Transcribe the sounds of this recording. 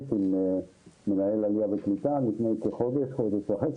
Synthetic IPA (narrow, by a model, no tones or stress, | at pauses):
t̪im | menaelaliaveklit̪amipnejkeχod̪eʃχod̪eʃvaχes